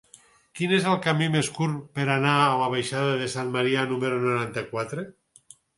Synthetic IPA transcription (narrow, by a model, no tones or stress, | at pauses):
kinezelˠkamimeskuɾpeɾanaːlaβajʃaðaðesanmaɾianumeɾonoɾant̪akwat̪ɾe